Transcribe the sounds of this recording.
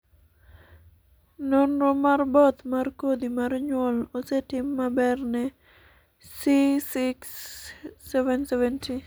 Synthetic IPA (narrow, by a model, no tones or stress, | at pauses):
nɔnɾɔmarbɔt̪markod̪imarɲwɔlosɛtɪmːabɛrnɛ | sisɪksː | ɛvɛnsɛvɛntʰi